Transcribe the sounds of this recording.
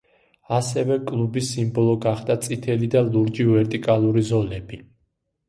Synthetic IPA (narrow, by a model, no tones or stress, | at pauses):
asɛvɛkʼlˠubisimbɔlˠɔɡaχd̪at̪sʼit̪ʰɛlid̪aluɾd͡ʒivɛɾt̪ʼikʼalˠuɾizɔlɛbi